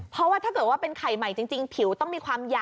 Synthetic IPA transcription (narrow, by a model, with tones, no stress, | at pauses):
pʰɾɔ˦˥waː˥t̪ʰaː˥˩kɤː˨˩t̪̚waː˥˩pe˧nkʰa˨˩jma˨˩jt͡ɕi˧ŋt͡ɕi˧ŋpʰi˨˩˦wt̪ɔ˥˩ŋmiː˧kʰwaː˧mjaː˨˩